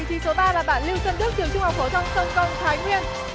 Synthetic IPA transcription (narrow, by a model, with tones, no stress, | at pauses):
t̪ʰi˨˦so˨˦ɓaː˧laː˨˩ɓa̰ː˧˨nli˧wt͡ɕə˧nɗɨ˦˥k̪̚i˨˩ək̚t͡ɕʊ˧ŋ͡mhɔ˨˩wk͡p̚fo˧˩t̪ʰə˧wŋ͡msə˧wŋ͡mkə˧˨wŋ͡mt̪ʰaː˨˦jŋwi˧ən